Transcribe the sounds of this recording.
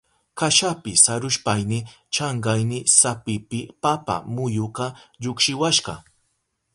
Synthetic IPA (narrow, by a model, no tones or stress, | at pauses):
kaʃapɪsaɾʊʃpajnɪ | t͡ʃɑɴɢɑjnɪsapɪpɪpapa̰mʊjʊqɑʎʊkʃɪwaʃɢɑ̰